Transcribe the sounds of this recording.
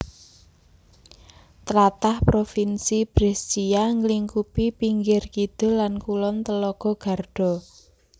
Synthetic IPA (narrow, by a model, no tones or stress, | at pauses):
t̪əlat̪ahpɾofinsib̥ɾɛst͡ʃiaŋəliŋkupipiŋɡɪrkid̪̥ɔ̤lankulɔnt̪əlɔɡ̥ɔ̤ɡ̥a̤rɖ̥ɔ̤